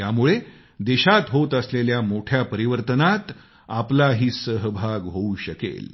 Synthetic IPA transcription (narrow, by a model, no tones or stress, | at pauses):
jamuɭe | d̪eɕat̪ɦot̪əsleljamoʈʰjapəɾiʋəɾt̪ənat̪ | aplaɦiːsəɦbʱaɡɦouɕəkḛl